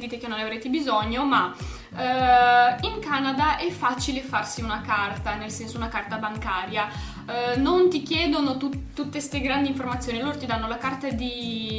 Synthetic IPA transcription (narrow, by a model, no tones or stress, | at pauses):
d̪iːt̪ek̟enːonavɾeːt̪ebizɔɲːoma | iŋkaːnad̪aʔɛfːat͡ʃilefarsiunakart̪anelsɛnsounakart̪abaŋkaːɾja | nont̪ikjɛːd̪onot̪ut̪ut̪ːest̪eɡɾand̪iɱformat̪sːoːnialːoːɾot̪id̪anːolakart̪ad̪i